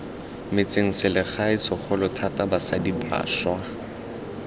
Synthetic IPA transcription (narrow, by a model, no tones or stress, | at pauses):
mɪt͡sʼeŋ̩sɪlɪχaɪsɔχʰɔlɔtʰatʼabasadiba̰ːʃwa